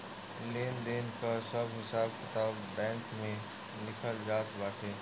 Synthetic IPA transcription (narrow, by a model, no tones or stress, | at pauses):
leːnd̪eːnkasəbɦɪsaːb̚kɪt̪aːbːɛ̃ːŋkmẽ | nɪkʰəlzaːt̪baːʈʰeː